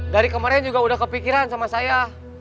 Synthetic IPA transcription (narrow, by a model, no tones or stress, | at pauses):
daɾikəmaɾɛnd͡ʒuɡaudahkəpikiɾansamasaja